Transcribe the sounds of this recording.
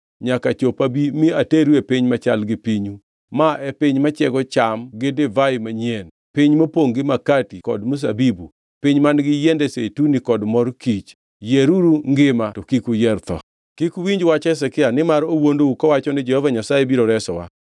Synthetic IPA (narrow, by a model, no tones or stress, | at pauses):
ɲakat͡ʃopabimiateɾuepiɲmat͡ʃalɡɪpiɲu | maʔɛpɪɲmat͡ʃɛɡɔt͡ʃamɡɪdɪvaɪmaɲjen | piɲmopoŋɡɪmakatikɔ̰dmus̬a̰bibṵ | pɪɲmanɡɪjɛndɛsetunikɔdmɔrkit͡ʃ | jeɾuɾuŋɡɪmatokikujɛrt̪ɔ̰ | kikuwiɲd͡ʒwat͡ʃɛsɛkɪanɪmaɾowondoukɔwat͡ʃɔnɪd͡ʒɛhɔvaɲasajebiɾɔɾɛsɔwa̰